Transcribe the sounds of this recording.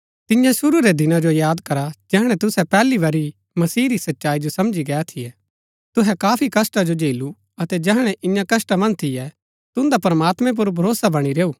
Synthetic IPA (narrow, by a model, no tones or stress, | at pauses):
t̪ɪjãsʊɾuɾed̪ɪnãd͡ʒojaːd̪kɐɾad͡ʒɛɦɽ̃ɛ̃t̪ʊsɛpɛːliʋɐɾi | mɐsiːɾisɐtːʃaːid͡ʒosɐmd͡ʒiɡɛat̪ʰijɛ | t̪ʊɦɛkaːpʰikɐsʈad͡ʒod͡ʒeːlu | ɐt̪ɛd͡ʒɛɦɽ̃ɛʔɪjãkɐsʈamɐ̃nt̪ʰɪjɛ | t̪ʊ̃nd̪apɐɾmaːt̪mɛ̃p̬ʊɾbʱɐɾoːsabɐɽ̃iɾeːuː